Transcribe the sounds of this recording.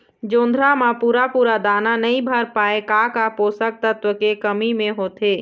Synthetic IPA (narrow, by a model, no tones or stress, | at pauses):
d͡ʒõːnd̪ʱɾamãpuːɾapuɾad̪ananəĩbʱəɾpaekakaposək̚t̪ət̪ʋəkekəmimeɦot̪e